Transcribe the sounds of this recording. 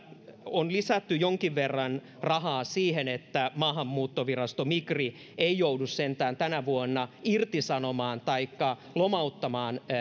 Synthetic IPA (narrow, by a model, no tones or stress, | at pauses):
onlisæt̪ːyjoŋkiʋʋerːɑn | rɑɦɑːsiːhenet̪ːæmɑːɦɑmːuːt̪ːoʋirɑst̪omikri | eijoudussent̪æːnt̪ænæʋuonːɑirt̪isɑnomɑːnt̪ɑikːɑ | lomɑut̪ːɑmɑːn